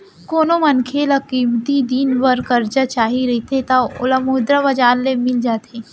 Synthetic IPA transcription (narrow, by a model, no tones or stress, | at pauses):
koːnomɐnkʰelɐkiːmt̪id̪iːnbɐɾkɐɾd͡ʒat͡ʃaːɦiɾɐɦit̪ʰet̪aʊləmuːd̪ɾaʋɐd͡ʒaːlːemɪld͡ʒaːt̪ʰeː